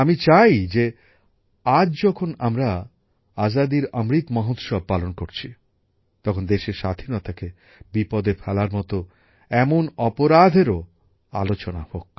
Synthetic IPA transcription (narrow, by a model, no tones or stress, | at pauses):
amit͡ɕajd͡ʑe | ad͡ʑd͡ʑɔkʰonamɾa | azad̪iɾamɾit̪mɔɦot̪ʃɔb̚pːalonkoɾt͡ɕʰi | t̪ɔkʰond̪eʃeɾʃad̪ʱinɔt̪ake | bipɔd̪efʰɛlaɾmɔt̪o | ɛmonɔpoɾad̪ʱeɾo | a̰lot͡ɕona̰hok